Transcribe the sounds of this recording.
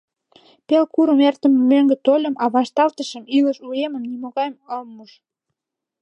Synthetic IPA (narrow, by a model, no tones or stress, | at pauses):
pelkuɾəmert̪ə̆memøŋɡə̆t̪olʲə̆mɑβɑʃt̪ɑlt̪əʃə̆miləʃueməmnimoɣɑjməlmːuʃ